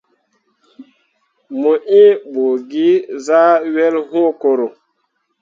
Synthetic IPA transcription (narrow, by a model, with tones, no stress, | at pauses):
mo˨ʔĩ˦ɓo˨ɡi˦za˦ɥɛ˦lɦõ˦ko˨ɾo˨